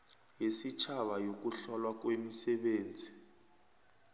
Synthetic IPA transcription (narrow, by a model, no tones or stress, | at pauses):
jesit͡ʃʰaɓajok̬ʼuɬɔlwak̬wemisɛɓeːnd͡zʱi